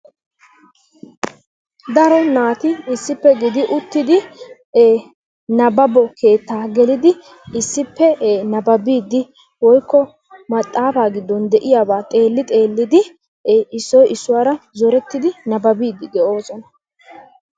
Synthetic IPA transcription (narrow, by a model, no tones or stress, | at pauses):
d̪ɐɾɔnaːt̪ɪɪsːɪpːɛɡɪd̪ɪʔʊt̪ːɪd̪ɪ | eː | nɐbɐbɔke̞ːt̪ːaːɡɛlɪd̪ɪ | ɪsːɪpːɛnɐbɐbiːd̪ːɪ | wɔjkːɔ | mɐt̪ʼːaːfaːɡɪd̪ːɔnd̪ɛʔɪjaːbaːt̪ʼe̞ːlːɪt̪ʼe̞ːlːɪd̪ɪ | ɪsːɔjʔɪsːʊwaːɾɐzɔɾɛt̪ːɪd̪ɪnɐbɐbiːd̪ɪɡ̪ɛʔo̞ːsɔnɐ̥